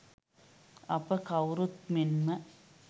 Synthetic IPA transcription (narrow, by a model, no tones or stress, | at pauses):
ɐpːɐkɐwɾut̪minmɐ